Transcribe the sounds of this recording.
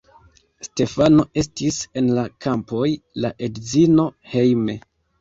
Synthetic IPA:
ste̞fano̞e̞stise̞nlakʰampo̞jlaʔe̞dzino̞he̞jme̞

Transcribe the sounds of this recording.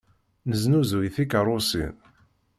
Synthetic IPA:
nəznuzujθikəɾˤʊsḭn

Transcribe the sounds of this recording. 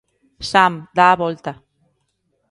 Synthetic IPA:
samd̪aːβolt̪a

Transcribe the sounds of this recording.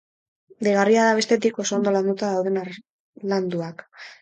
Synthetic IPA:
d̪eɣariaðaβ̞e̞st̪e̞t̪iko̞so̞ond̪o̞land̪ut̪aðawð̞e̞n | land̪uak

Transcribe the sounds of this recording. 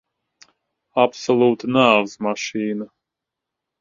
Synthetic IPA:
apsolˠuːt̪naːvzmaʃiːna

